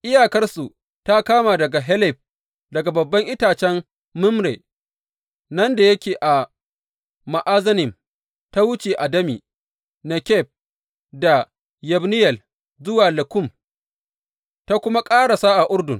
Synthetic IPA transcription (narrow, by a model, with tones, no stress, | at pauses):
ʔɪ˦jaː˨kɐ˦rsu˨ | ta˦kaː˦ma˨dɐ˨ɡa˨ɦɛ˦lɪ˨b̚ | dɐ˨ɡa˨bɐ˨bːɐ˦ŋʔɪ˦taː˨t͡ʃɛ˦mː | ʊ˦mɽḛː˨ | nɐ˦nda˨jɐ˦kʲeː˨ʔa˨ | ma˨ʔaː˦zɐ˦nɪ˨m | ta˦wʊ˦t͡ʃeː˨ʔa˨dɐ˦mḭː˨ | na˨kʲɛ˦˨p̚ | da˨ | jɛ˨bnɪ˦jɛ˨l | zʊ˦waː˨lɐ˨kʊ˦˨m | ta˦kʷʊ˦ma˦kʼaː˦ɽa˨saː˦ʔa˨ʔʊ˦rdʊ˨ŋ